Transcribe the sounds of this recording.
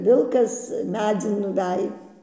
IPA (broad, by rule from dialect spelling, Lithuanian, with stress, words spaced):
ˈʋʲɪlˠkɐs ˈmʲæːd͡zʲɪn nʊˈʋʲɛj